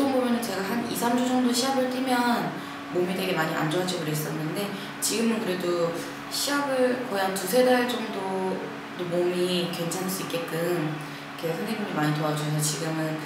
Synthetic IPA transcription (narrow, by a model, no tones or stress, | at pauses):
sʰʌŋbomjʌnɯnt͡ɕe̞ɡaɦanḭsʰamd͡ʑud͡ʑʌŋdoɕʰiaɡɯɭt͈ʰimjʌn | momidwe̞ɡe̞maɲiʔa̰nd͡ʑʌd͡ʑʌɡɯɾes͈ʌnːɯnde̞ | t͡ɕiɡɯmɯnkɯɾe̞do | ɕʰiaɡɯɭkʌjantusʰe̞daɭt͡ɕ͈ʌŋdo | domomikwe̞nt͡ɕʰanɦs͈uik͈e̞t̚k͈ɯm | kʰehandemoniɭmaɲitoad͡ʑuʌs̬ʰʌt͡ɕiɡɯmɯn